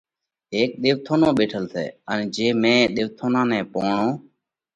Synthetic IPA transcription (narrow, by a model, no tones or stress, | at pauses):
ɦeːk̚ɗ̪ɪːʋt̪ʰoːnõːɓeːʈʰəlsḛːənːd͡ʒeːmẽːɗ̪ɪːʋt̪ʰoːnãːnɛ̃ːpoːɳõː